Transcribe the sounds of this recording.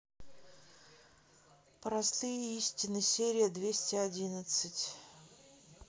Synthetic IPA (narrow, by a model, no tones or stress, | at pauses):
pɾɐst̪ɨjəisʲtʲɪnɨsʲeɾʲɪjəd̪vʲesʲtʲɪɐdʲinət̪sɨtʲ